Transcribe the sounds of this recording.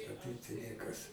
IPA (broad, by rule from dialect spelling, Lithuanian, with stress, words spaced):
ɐ ˈtɐɪp tɐɪ ˈnʲiɛkɐs